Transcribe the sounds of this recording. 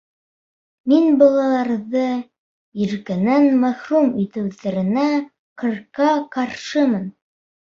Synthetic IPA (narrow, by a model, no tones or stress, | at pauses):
minbɑlˠɑlˠɑɾðɤ | iɾkɘnænmæχrumit̪ɘ̆wðæɾɘ̆næ | qɤ̆ɾkɑqɑɾʃɤmɤn